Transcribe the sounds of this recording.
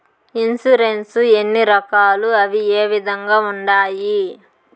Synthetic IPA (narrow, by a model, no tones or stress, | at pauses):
insuɾensuenːiɾɐkaːluɐʋieːʋid̪ʱɐŋɡaːuɳɖaːji